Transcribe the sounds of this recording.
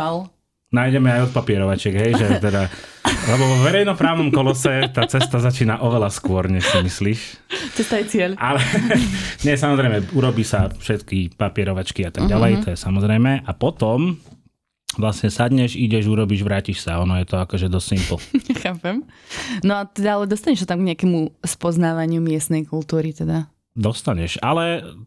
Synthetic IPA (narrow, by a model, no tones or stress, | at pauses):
al | naːjɟɛmɛajɔt̪̚papɪɛɾɔʋat͡ʃɛɡɦɛjʒɛt̪ɛd̪alɛbɔʋɔʋɛɾɛjnɔpɾaːʊnɔmkɔlɔsɛt̪aːt͡sɛst̪azat͡ʃiːnaʔɔʋɛlaskʊɔɾɲɛʃsimisliːʃ | t͡sɛst̪ajɛt͡sɪɛlʔalɛ | ɲɛs̬amɔzɾɛjmɛuɾɔbiːsafʃɛt̪kipapɪɛɾɔʋat͡ʃkiat̪aɡ̚ɟalɛj̪ɔjɛsamɔzɾɛjmɛʔapɔt̪ɔm | ʋlasɲɛsad̪ɲɛʒiɟɛʒuɾɔbiːʒʋɾaːciʃsaɔnɔjɛt̪ɔakɔʒɛd̪ɔssimpl̩ɲɛxaːpɛmnɔat̪ɛd̪aalɛd̪ɔst̪aɲɛʃsat̪amɡɲɛakɛmuspɔznaːʋaɲɪumɪɛsnɛjkult̪uːɾit̪ɛd̪a | d̪ɔst̪aɲɛʃalɛ